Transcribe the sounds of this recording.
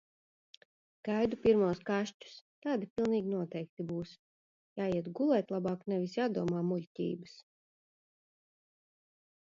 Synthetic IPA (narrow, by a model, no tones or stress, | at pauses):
ɡ̥ajd̪upiɾmuɔskaʃt͡ʃu̥st̪aːd̪ipʲilˠniːɡʲnuɔt̪ɛjk̚t̪ibuːs | jaːjiɛt̪ɡulˠɛjt̪ʲlˠabaːknɛvisjaːd̪uɔmaːmulʲtʲḭːbɨs